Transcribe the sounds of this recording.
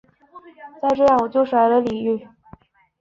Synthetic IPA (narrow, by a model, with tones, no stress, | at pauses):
t͡sa˥˧ɪʈ͡ʂɤ˥˧jɑ˥˩ŋwɔ˨˩t͡ɕjo˥˧ʊʂwa˧˥ɪlə˧li˨˩y˥˩